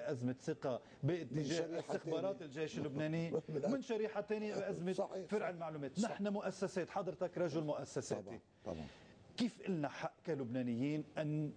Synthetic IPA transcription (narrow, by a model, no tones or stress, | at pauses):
ʔazmɪt̪sɪqa | bɪʔɪt̪ːɪʒeːʔɪst̪ɪxbɑːɾˤɑːt̪ɪlʒejʃɪlːʊbneːnimɪnʃaɾiːħat̪eːnjabɪʔazmɪt̪fɪɾʕɪlmaʕluːmeːt̪nɪħnamʊʔasːaseːt̪ħɑd̪ˤɾt̪akɾˤɑʒʊlmʊʔasːasḛːḭ | kiːfʔɪlnaħaʔːkalʊbneːnɪjːiːnʔanː